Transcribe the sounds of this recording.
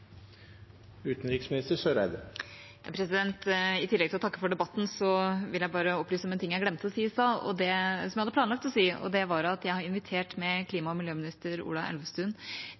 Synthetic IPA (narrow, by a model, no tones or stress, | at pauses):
ʉːt̪n̩ɾɪksmɪnɪst̪əsøːɾæɪd̪ə | jɑpʰɾɛsɪd̪ɛnt̪ɪt̪ʰɪlːɛɡt̪ʰɪlɔt̪ʰɑkːəfɔɖɛbɑt̪ːn̩sɔʋɪljæɪbɑːɾəɔpːlyːsəɔmɛnt̪ɪŋːjæɾɡlɛmt̪ɔsiːɪsɑːɔ̰d̪ɛsɔmæhɑd̪əplɑːnlɑkt̪lɔsiːɔ̰d̪ɛʋɑɾɑt̪jæɪhɑɾɪnʋɪt̪ʰeːʈmɛkʰliːmɑɔmɪljøːmɪnɪst̪əɾṵːlɑʔɛ̰lʋəst̪ʉn